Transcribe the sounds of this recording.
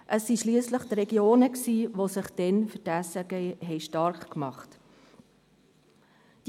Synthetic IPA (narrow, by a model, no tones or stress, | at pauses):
ʔəsːiʃliəsləχtɾɛɡjoːnəksiːʋosɪχd̥ɛnfətæsəɡɛɦɛɪʃtɑɾχkmɑχt | d̥